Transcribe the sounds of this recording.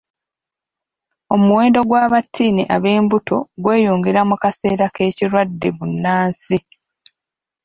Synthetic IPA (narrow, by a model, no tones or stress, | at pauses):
o̞muwe̞ːndo̞ɡwaːβatʰːiːnḭʔaβe̞ːmbuto̞̰ɡwe̞ːjoːŋɡeɾamukase̞ːɾake̞ːciɾwadːe̞βunːaːnsi